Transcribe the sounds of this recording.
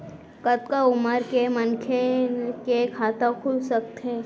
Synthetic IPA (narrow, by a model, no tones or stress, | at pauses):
kət̪̚kaʊməɾkemɐnkʰekekʰaːt̪ãkʰʊlsək̚t̪ɦɛ̃ː